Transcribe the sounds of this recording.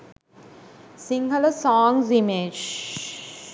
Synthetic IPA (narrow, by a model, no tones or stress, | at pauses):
sĩŋɡələsɔːŋsimeːd͡ʒ